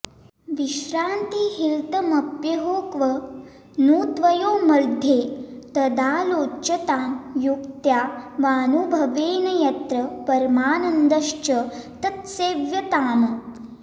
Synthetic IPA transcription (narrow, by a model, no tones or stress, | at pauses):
ʋiʃɾaːnt̪iɦilt̪ɐmɐpjɐɦoːkʋɐ | nuːt̪ʋɐjoːmɐd̪ʱjeːt̪ɐd̪ʱaːloːt͡ʃɐt̪aːnjukt̪jaːʋaːnubʱɐʋeːnɐjɐt̪ɾɐpɐɾmaːnɐnd̪ɐʃt͡ʃɐt̪ɐt̪seːʋjɐt̪aːmɐ